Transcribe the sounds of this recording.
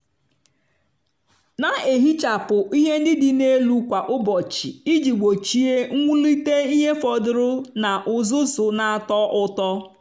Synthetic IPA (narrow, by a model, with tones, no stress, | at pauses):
na˨e˨ɦi˦t͡ʃa˨pʊ˨ʔi˦ɦe˦n̩˦dɪ˦dɪ˨ne˦lu˦kʷa˨ʔʊ˦bɔ˨t͡ʃɪ˨i˦d͡ʒi˨ɡ͡bo˨t͡ʃi˨e˦ŋ̩˦ŋʷu˦li˦te˦i˦ɦe˦fɔ˨dʊ˨ɾʊ˦na˨ʔʊ˨zʊ˦sʊ˨na˨a˨tɔ˦ʔʊ˦tɔ˦